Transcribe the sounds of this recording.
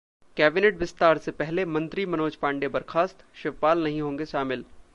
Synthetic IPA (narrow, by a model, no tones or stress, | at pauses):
kɛːbɪneʈ̚bɪst̪aːɾsepɛɦlemɐ̃nt̪ɾimɐnoːd͡ʒpãːɳɖebɐɾkʰaːst̪ʃɪʋpaːlnɐɦĩɦõːŋɡeʃaːmɪl